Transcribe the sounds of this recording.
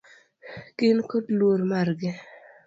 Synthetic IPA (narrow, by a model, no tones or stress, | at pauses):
kɪnkodlwoɾmarɡɪ